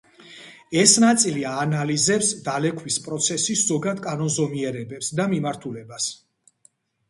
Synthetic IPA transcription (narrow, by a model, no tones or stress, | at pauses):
ɛsnat̪sʼiliaːnalizɛpsd̪alɛkʰwispʼɾɔt̪sʰɛsisz̥ɔɡad̪kʼanɔnzɔmiɛɾɛbɛpsd̪amimaɾt̪ʰulɛbas